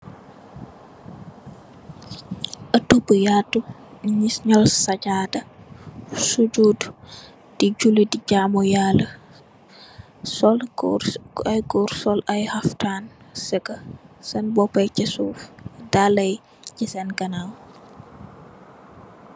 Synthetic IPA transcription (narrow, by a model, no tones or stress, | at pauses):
ʔɐtubəjatːu | ɲisɲɔlsɐcaːdɐ | suɟuːd | d̥iɟulidiɟamɔjalːə | sɔl | ɐjɡɔːɾsɔlɐjhɐftaːnsɛkəsɐnbɔpːɐjcɛsuːfdaːlɐj | cisɛnkɐnaw